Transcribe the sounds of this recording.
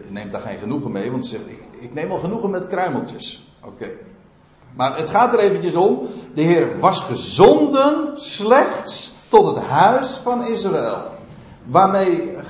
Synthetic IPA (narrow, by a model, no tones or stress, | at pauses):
neːmtdaːχejnχənuɣənmejʋɑntəzɛχtɪkɪknejmɑlˠχənuɣənmɛtkrœɥməlˠtəs | ʔo̰kej | maːrətχaːt̚dəɾejvəncəsomdəɦɪːrʋɑsχəzɔndənslɛxtstɔtɦəthœɥsfɑnɪsraɪlˠ | ʋaːɹmej